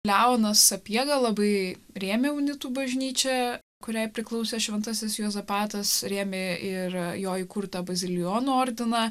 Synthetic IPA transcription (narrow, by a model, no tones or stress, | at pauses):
lʲæʊnɐsɐpʲiɛɡɐlˠɐbɐɪɾʲeːmʲeʊnʲɪt̪uːbɐʒʲnʲiːt͡ʃʲɛ | kʊɾʲæɪpʲɾʲɪklˠɐʊsʲɛːʃʲʋʲɛnt̪ɐsʲɪsjoːzɐpɑːt̪ɐsɾʲeːmʲeɪɾjoːikʊɾt̪ɐbɐzʲɪlʲɪjoːnuoːɾʲd̪ʲɪnɑ